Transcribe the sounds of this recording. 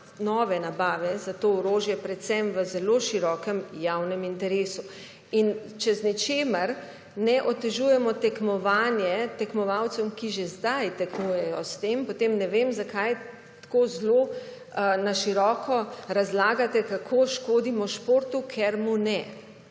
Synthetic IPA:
nɔːʋɛnabaːʋɛzat̪oɔɾoːʒjɛpɾɛt̪sɛmʋəzɛloʃiɾɔːkɛmjawnɛmint̪ɛɾeːsu | int͡ʃɛznit͡ʃeːmɐɾ | nɛʔɔt̪ɛʒuːjɛmɔt̪ɛkmɔʋaːnjɛt̪ɛkmɔʋawt̪sɔmkiʒezd̪ajt̪ɛknujɛjɔst̪empot̪emnɛʋemzakaj | t̪koːzlo | naʃiɾɔːkʰɔɾazlaːɡat̪ɛkakʰoːʃkoːd̪imɔʃpoːɾt̪ukʰɛɾmunɛ

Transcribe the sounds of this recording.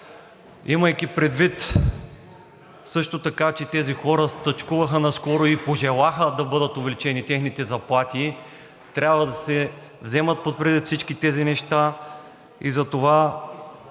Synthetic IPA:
iməjkipɾɛd̪vit̪ | sɤʃt̪ot̪ɐkat͡ʃɛt̪ɛzixɔɾəst̪ɐt͡ʃkuvɐxənɐskɔɾoipoʒɛlˠaxəd̪ɐbɤd̪ət̪ovɛlit͡ʃɛnit̪ɛxnit̪ɛzɐplˠat̪i | t̪ɾʲabvɐd̪ɐsɛ | vzɛmət̪̚pot̪pɾɛd̪it̪fsit͡ʃkit̪ɛzinɛʃt̪a | izɐt̪ova

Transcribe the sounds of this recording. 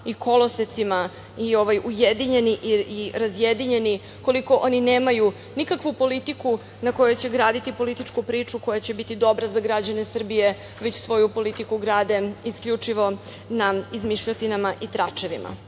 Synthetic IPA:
iko̞loset̪sima | io̞ʋajujed̪iɲe̞niʔiiɾazjed̪iɲe̞ni | ko̞liko̞ʔo̞nineːmaju | nikakʋupo̞lit̪iku | nako̞jut͡ɕe̞ɡɾaːd̪it̪ipo̞lit̪it͡ʃkupɾiːt͡ʂuko̞jat͡ɕe̞bit̪id̪o̞bɾazaɡɾad͡ʑane̞sr̩bije | ʋet͡ɕsʋo̞jupo̞lit̪ikuɡɾaːd̪e̞iskʎʲut͡ʂiʋo̞ | naizmiʃʎot̪inamaʔit̪ɾat͡ʃe̞ʋḭma̰

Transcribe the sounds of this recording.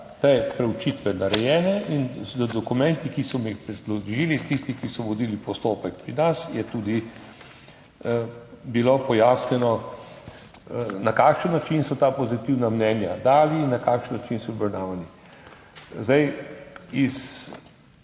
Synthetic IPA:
t̪epɾɛut͡ʃit̪ʋɛnaɾɛjɛːnɛʔinzəd̪ɔkumɛnt̪ikisɔmixpɾɛzlɔʒiːlit̪ist̪ixkisɔʋɔd̪iːlipɔst̪oːpəkpɾinasjɛt̪uːd̪i | bilopɔjaːsnɛnɔ | nakaːkʃənːat͡ʃinsɔt̪aːpɔzit̪iwnamnɛːnjad̪aːliːnːakaːkʃənːat͡ʃinsɔbɾɐɾnaːʋani | zd̪aj | is

